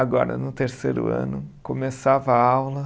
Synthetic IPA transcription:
aɡɔ̰ɾɐ̰nʊt̪eɾseɾʊ̰ɐ̰̃nʊkomesavɐawlɐ

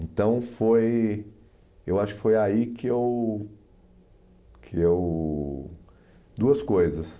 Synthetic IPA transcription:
ẽnt̪ɐ̃w̃foj | ewaʃʊ̥kɪ̥fojaikɪew | kʰɪew | d̪uɐskojzɐs

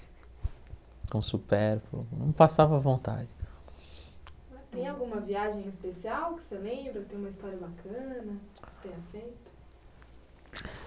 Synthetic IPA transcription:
kõsupɛɾflʊ̰nɐ̰̃w̃pasavɐvõnt̪a̰d͡ʒɪ | at̪ẽj̃awɡũmɐviaʒẽj̃ɪspesiawkɪ̥selẽbɾɐkt̪ẽj̃umɐist̪ɔɾiɐbakʰɐ̃nɐ̥t̪ẽj̃ɐfejt̪ʊ̥

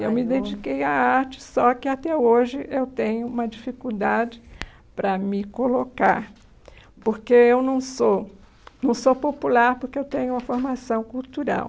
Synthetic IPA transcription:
ewmid̪ẽd͡ʒikejaaɾt͡ʃɪ̥sɔkɪat̪ɛoʒɪʔewt̪ẽɲʊũmɐd͡ʒifikuwd̪ad͡ʒɪ | pɾɐmɪkolokaɾ | poɾkeewnɐ̃w̃so | nɐ̃w̃sopopulaɾpoɾkeewt̪ẽɲʊumɐfoɾmasɐ̃w̃kuwt̪uɾa̰w

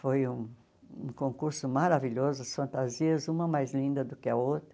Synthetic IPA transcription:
fojũ | ṵ̃kõkuɾsʊmaɾaviʎɔzʊɐsfɐ̃nt̪aziɐzũmɐmajzlĩnd̪ɐd̪ʊkɪɐowt̪ɾɐ

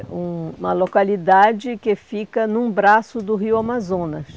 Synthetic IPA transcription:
ũũmɐlokalid̪ad͡ʒɪkɪfikɐnũbɾasʊd̪ʊɦiʊamazõnɐs

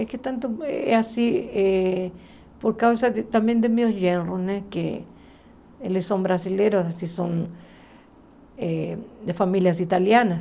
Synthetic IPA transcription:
eket̪ãnt̪oeḛasie | poɾkawsaðet̪ambjẽnd̪emiosʎenrosnekḛ | elessõmbɾasileɾosasisõn | ed̪efamiljas̬it̪aljanas

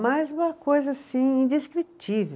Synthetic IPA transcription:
majzũmɐkojzɐasĩĩnd̪iskɾit͡ʃive

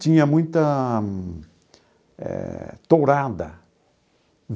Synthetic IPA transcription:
t̪ĩɲɐmũj̃t̪ɐ | ɛ̰t̪oɾad̪ɐ̰

